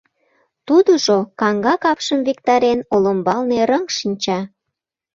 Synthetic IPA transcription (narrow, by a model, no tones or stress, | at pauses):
t̪ud̪oʒokɑŋɡɑkɑpʃəmvikt̪ɑɾenoləmbɑlneɾəŋʃinʲt͡ɕɑ